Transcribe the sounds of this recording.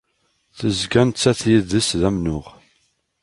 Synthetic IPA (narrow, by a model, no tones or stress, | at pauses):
θəzɡænt͡sːæθjiðəsðæmnʊʁ